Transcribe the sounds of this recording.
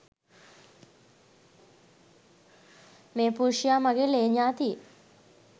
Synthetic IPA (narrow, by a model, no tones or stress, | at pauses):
meːpuɾʂijaːmaɡeleːɲaːt̪ie